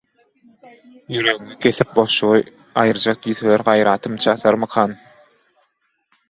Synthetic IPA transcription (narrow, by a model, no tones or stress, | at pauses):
jyɾøɣyŋekʲʰeθip̚boʃuʁɯ | ɑjɯɾd͡ʒɑq̚d̪yðeleɾɢɑjɾɑːt̪ʰɯmt͡ʃʰɑθɑɾmɯqʰɑːn